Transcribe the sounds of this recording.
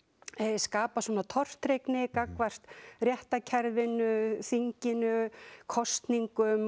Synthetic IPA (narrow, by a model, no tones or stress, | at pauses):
ɛðɪskaːpasuɔːnat̪ʰɔr̥t̪ɾejknɪkakvar̥t̪rjɛht̪acʰɛɾðvɪnʏθiɲcɪnʏkʰɔst̪niŋkʏm